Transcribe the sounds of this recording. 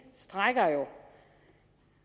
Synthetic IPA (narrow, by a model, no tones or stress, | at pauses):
sd̥ʁaɡ̥ɐjo